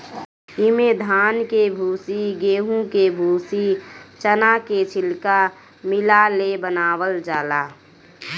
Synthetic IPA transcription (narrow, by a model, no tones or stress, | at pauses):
ɪmeːd̪ʱaːnkebʱuːsiɡeːɦũkebʱuːsit͡ʃənaket͡ʃʰɪlka | mɪlalebənaːwəld͡ʒaːlaː